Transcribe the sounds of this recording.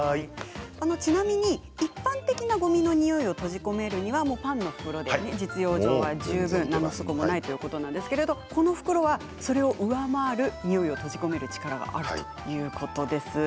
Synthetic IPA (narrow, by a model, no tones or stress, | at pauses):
ano̞t͡ɕinamʲiɲ̟i | ipːãnt̪e̞kʲinaɡo̞mʲino̞ɲ̟ijoio̞t̪o̞ʑiko̞me̞ɾɯ̟ɲ̟iβamo̞ːpãnːo̞ɸɯ̟̥kɯ̟ɾo̞d̪ene̞d͡ʑit͡sɨjo̞ːʑo̞ːβaʑɯːbɯ̟̃nːanoso̥komo̞nait̪o̞jɯ̟ko̞t̪o̞nãnd̪e̞sɨ̥ke̞ɾe̞d̪o̞ko̞no̞ɸɯ̟̥kɯ̟ɾo̞βa | so̞ɾe̞o̞ʔɯ̟βamaːɾɯ̟ɲ̟ijoio̞t̪o̞ʑiko̞me̞ɾɯ̟t͡ɕi̥kaɾaɡa̰ʔaɾɯ̟t̪o̥ | jɯ̟ːkʰo̞t̪o̞d̪e̞sɨ